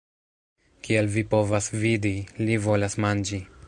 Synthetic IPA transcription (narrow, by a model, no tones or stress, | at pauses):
kialvipo̞vasvidilivo̞lasmand͡ʒi